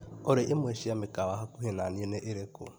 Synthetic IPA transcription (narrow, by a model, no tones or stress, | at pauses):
oɾeʔemweʃiamɪkawaɦakuhenanieneʔeɾeko̰